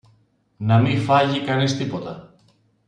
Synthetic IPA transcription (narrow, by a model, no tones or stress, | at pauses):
nɐmifɐʝikɐnist̪ipo̞t̪ɐ